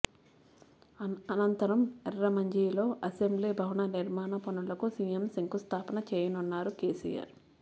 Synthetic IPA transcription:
ɐnɐnt̪ɐɾɐmɛɾɾɐmɐɲd͡ʒiːlo̞ːʔɐsembliːbʱɐwuɳɐniɾmaːnɐpɐnulɐkusiːjemsiŋkust̪ʰaːpɐnɐt͡ʃeːjɐnunːaːɾukeːsḭja̰ːɾ

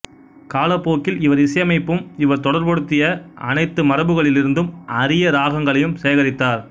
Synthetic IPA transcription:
kaːlɐpːoːkːɪlɪʋɐɾɪsɐjɐmɐɪpːɯmɪʋɐɾt̪ɔɽɐɾpɔɽɯt̪ːɪjɐʔɐnɐɪt̪ːɯmɐɾɐbɯɣɐɭɪlɪɾɯnd̪ɯmʔɐɾɪjɐɾaːɣɐŋɡɐɭɐjɯmseːɣɐɾɪt̪ːaːɾ

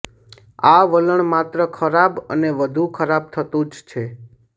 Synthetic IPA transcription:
aʋələɳmat̪ɾəkʰəɾabə̰neʋəd̪ʱukʰəɾab̚t̪ʰət̪ũd͡ʒt͡ʃʰe

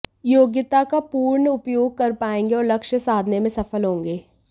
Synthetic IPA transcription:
joːɡjɪt̪akapuːɾɳəʊpjoːɡ̚kɐɾpaːẽːŋɡeɔːɾlɐkʃəsaːd̪ʱnemẽsɐfəlɦõːŋɡeː

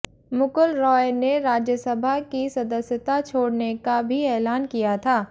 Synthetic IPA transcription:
mʊkəlɾɔːjneɾaːd͡ʒjəsəbʱakisɐd̪əsjət̪at͡ʃʰoːɽnekabʱiɛːlaːnkijat̪ʰaː

